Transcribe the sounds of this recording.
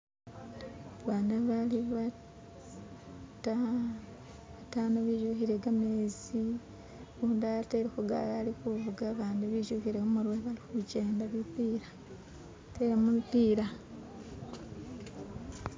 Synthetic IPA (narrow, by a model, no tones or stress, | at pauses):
βaːndaβaliβa | ta | atanaβiːʒuhiɾeɡamezi | uːndateɾekuɡa̰lalikuvuɡaβaːndiβiːʒuhiɾehumuɾweβalixuɟe̞ːndaβipiːɾa | te̞ɾemuipiːɾa